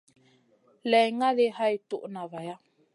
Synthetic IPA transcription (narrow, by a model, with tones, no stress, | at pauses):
lɛ˨jŋa˦ðe˦ha˦i˨tu˦ʔnã˨va˨ja˦